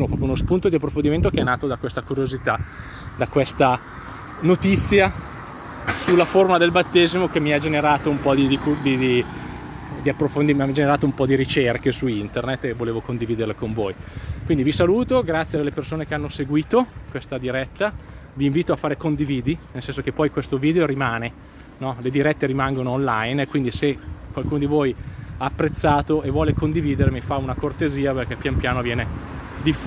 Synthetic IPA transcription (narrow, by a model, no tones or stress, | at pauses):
mopɾɔːpjounospunt̪od̪iapːɾofond̪iment̪okeɛnːaːt̪od̪akwest̪akuɾjozit̪a | d̪akwest̪a | not̪it̪sːja | sulːaformad̪elbat̪ːeːzimokemːiad͡ʒeneɾaːt̪oumpɔd̪id̪ikud̪id̪i | d̪iapːɾofond̪imad͡ʒeneɾaːt̪oumpɔd̪iɾit͡ʃerkesuint̪ernet̪ːevoleːvokond̪iviːd̪erlekoɱvoːjkwind̪ivisaluːt̪oɡɾat̪sːjealːepersoːnekeanːoseɡwiːt̪okwest̪ad̪iɾɛt̪ːa | viːɱviːt̪oafaːɾekond̪iviːd̪inelsɛns̬okepːɔjkwest̪oviːd̪eoɾimaːne | nɔled̪iɾɛt̪ːeɾimaŋɡonoːnlajnkwind̪isekwalkuːnod̪ivojaːpːɾet̪sːaːt̪oʔevːwɔːlekond̪iviːd̪eɾmifaunakort̪eziːaperk̟ɛpjampjaːnovjɛːned̪if